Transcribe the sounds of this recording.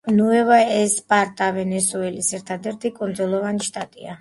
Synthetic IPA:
nuɛvaɛspʼaɾt̪ʼavɛnɛsuɛlisɛɾt̪ʰad̪ɛɾt̪ʰikʼund̪zɔlˠɔvaniʃt̪ʼat̪ʼḭa

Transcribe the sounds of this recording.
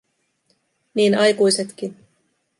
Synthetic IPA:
niːnɑjkujse̞t̪kin

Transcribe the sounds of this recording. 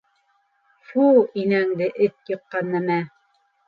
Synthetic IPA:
fuinæŋd̪ɘʔɘt̪jɤ̆qːɑnːæmæ

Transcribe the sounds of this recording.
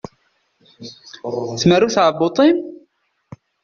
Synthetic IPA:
θmərːuθʕəbot̪ˤim

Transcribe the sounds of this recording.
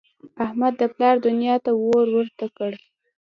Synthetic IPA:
ahmad̪ːəplɑɾd̪ʊnjɑt̪awoɾwəɾt̪akəɽ

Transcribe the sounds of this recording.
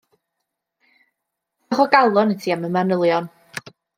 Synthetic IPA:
χɔɡalˠɔnətʰiːaməmanəlˠjɔn

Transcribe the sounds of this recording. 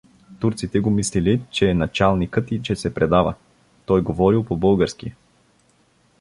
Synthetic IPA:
t̪uɾt̪sit̪ɛɡomislilit͡ʃɛːnɐt͡ʃalˠnikət̪it͡ʃɛsɛpɾɛd̪avə̰ | t̪ɔjɡovɔɾilˠpobɤlˠɡəɾski

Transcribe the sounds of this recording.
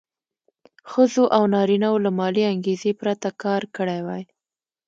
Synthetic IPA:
xəzoʔawnɑɾinawolamɑliaŋɡezepɾat̪akɑɾkəɽajwaj

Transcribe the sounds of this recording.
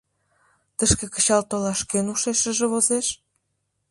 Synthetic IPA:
t̪əʃkekə̥t͡ɕɑlt̪olɑʃkenuʃeʃə̆ʒĕβozeʃ

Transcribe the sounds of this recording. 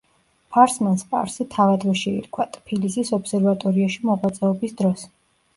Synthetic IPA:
pʰaɾsmanspʼa̰ɾsit̪ʰavad̪vɛʃɛḭɾkʰwat̪ʼpʰilisisɔbsɛɾvat̪ʼɔɾiaʃimɔʁwat̪sʼɛɔbisd̪ɾɔs

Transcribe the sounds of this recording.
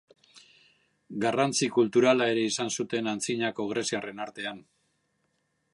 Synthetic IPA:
ɡarant͡sikult̪uɾalae̞ɾe̞isansut̪e̞nant͡siɲako̞ɣ̞ɾe̞siare̞naɾt̪e̞an

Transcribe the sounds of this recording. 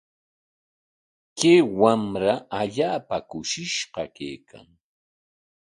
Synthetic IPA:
keːwamɾaʔaʎaːpakʊʃɪʃɢɑkḛjkʰa̰ŋ

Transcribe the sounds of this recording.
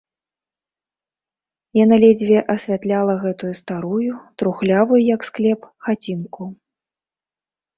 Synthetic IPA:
janalʲɛd͡zʲvʲɛʔɐsʲvʲat̪lʲalˠɐɣɛt̪ujust̪aɾujut̪ɾuxlʲavujujɐksklʲɛpxat͡sʲinku

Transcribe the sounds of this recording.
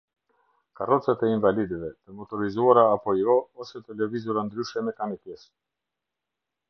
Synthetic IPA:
karɔt͡sat̪ɛinvalid̪ɛvɛt̪əmɔt̪ɔɾizuaɾaːpɔiɔɔsɛt̪əlɛvizuɾand̪ɾyʃɛmɛkanit̪jɛs

